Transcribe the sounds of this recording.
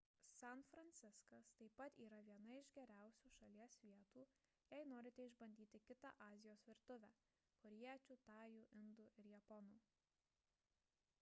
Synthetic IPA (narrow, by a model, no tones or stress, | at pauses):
sɛnfɾɐnʲt̪sʲɪskɐst̪ɐɪpːɐt̪iːɾɐʋʲiɛnɐɪʒɡʲɛɾʲæˑʊsʲuːʃɐlʲiɛsʋʲiɛt̪uː | jɛɪnoːɾʲɪt̪ʲɛɪʒbɐnʲd̪ʲiːt̪ʲɪkʲɪt̪ɑ̰ʔɑːzʲɪjoːsʋʲɪɾt̪ʊʋʲæː | kɔɾʲiɛt͡ʃʲuːt̪ɑːjuːʔɪnd̪uːʔɪɾjɛpɔnuː